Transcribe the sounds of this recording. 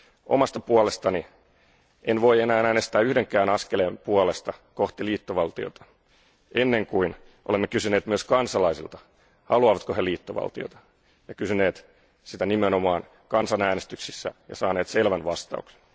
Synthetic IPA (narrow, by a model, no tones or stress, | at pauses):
ʔo̞mɑst̪ɑpuolest̪ɑni | ʔenʋo̞ienæːnæːnest̪æːyhdeŋkːˑæːnɑskelempuolest̪ɑko̞ht̪iliːt̪ːoʋɑlt̪io̰t̪ɑ̥ | ʔenːe̞ŋkuin | ʔolemːekysyne̞ːt̪myøskɑnsɑlɑisḭlt̪ɑ̥ | hɑluɑːʋɑt̪koheliːt̪ːoʋɑ̰lt̪io̰t̪ɑ̥ | jɑkysyne̞ːt̪ | sit̪ænimeno̞mɑːn | kɑnsɑnæːnest̪yksisːæ̰jɑ̰sɑːneːt̪se̞lʋænʋɑst̪ɑ̰ukse̥n